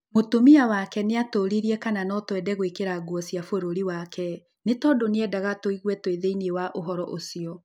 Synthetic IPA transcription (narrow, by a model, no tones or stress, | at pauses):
motomiawakɛneatoːɾiɾiɛkananɔtwɛdɛɣwekeɾaɡwɔsiafoɾoɾiwakʰɛ | netɔːdoneɛdaɣatoiɣwɛtweðeinewaʔoɦɔɾɔʔosiɔ